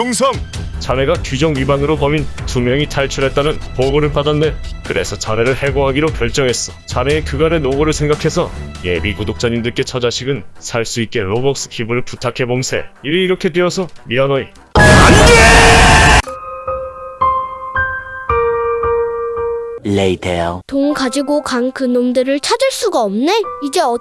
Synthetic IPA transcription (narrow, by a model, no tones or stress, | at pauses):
oŋsʰʌŋt͡ɕame̞ɡakid͡ʑʌŋɥibanɯɾopʌminpumjʌŋitʰaɭt͡ɕʰuɾe̞t̚t͈anɯnpoɡoɾɯɭpadanːekɯɾʔe̞̰sʰʌt͡ɕane̞ɾɯɭhe̞ɡoɦaɡiɾokjʌɭt͡ɕ͈ʌŋɦe̞s͈ʌt͡ɕane̞ːkɯɡaɾenoɡoɾɯɭsʰe̞ŋɡakʰe̞sʰʌje̞bikodok̚t͡ɕ͈aɲindɯɭk͈e̞t͡ɕʰʌd͡ʑaɕʰiɡɯnsʰaɭs͈uit̚k͈e̞nobʌk̚s͈ɯ̥kʰibɯɭputʰakʰe̞boŋsʰe̞̰iɾiːɾʌkʰe̞teʌsʰʌmiʌnʌi | aniɡe | leitʰeotoŋkad͡ʑiɡokankɯnomdɯɾɯɭt͡ɕʰad͡ʑɯɭs͈uɡaʌmneid͡ʑe̞ʌ